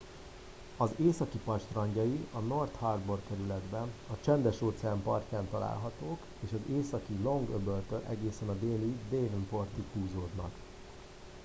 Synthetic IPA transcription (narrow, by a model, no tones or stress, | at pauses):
ɒzeːsɒkipɒt͡ʃt̪rɒɲɟɒiɒnort̪hɒrbo̞rkɛɾylɛd̪bɛnɒt͡ʃɛnd̪ɛʃoːt̪sɛaːmpɒrcaːnt̪ɒla̰ːlɦɒt̪oːk | eːʃɒzeːsɒkilo̞ŋɡøbølt̪øɾʔɛ̰ɡeːsɛnɒd̪eːlid̪eːvmport̪ithuːzoːd̪nɒ̰k